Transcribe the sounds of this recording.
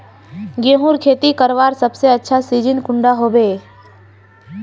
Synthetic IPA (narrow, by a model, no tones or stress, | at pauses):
ɡẽːɦuɾkʰeːt̪ikəɾʋaːɾsəbseɐtːʃʰasiːd͡ʒɪnkʊ̃ɳɖaɦoːbeː